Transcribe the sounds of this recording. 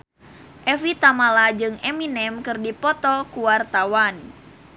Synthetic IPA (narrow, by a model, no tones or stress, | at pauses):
ʔɛfit̪amalad͡ʒɨŋɛminɛmkɨrdipɔt̪ɔkuwart̪awan